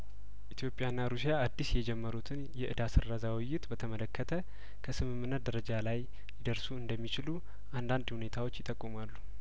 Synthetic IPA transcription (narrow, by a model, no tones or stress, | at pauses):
ʔit̪ʰjo̞pʼjanːaɾusijaːd̪ːisjɛd͡ʒɛmːəɾut̪ʰɨnjɛʔɨd̪asɨrːazawɪjːɪt̪bət̪ʰəmələkʰːət̪ʰə | kʰəsɨmɨmːɨnːət̪̚d̪əɾəd͡ʒalaj | jɪd̪əɾsuɨnd̪əmːit͡ʃɪlu | ʔand̪and̪hune̞t̪ʰawo̞t͡ʃːjɪt̪ʼəkʼːumalːu